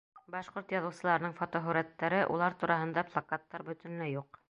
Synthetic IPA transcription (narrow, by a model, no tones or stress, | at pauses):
bɑʃqoɾt̪jɑðɤ̆wsɤ̆lˠɑɾɤnɤɴfot̪oɦɵɾæt̪ːæɾɘʔṵlˠɑɾt̪uɾʔɑɦɤ̆nd̪ɑplˠɑkat̪ːɑɾbɵ̆t̪ɘ̆nlæjuq̚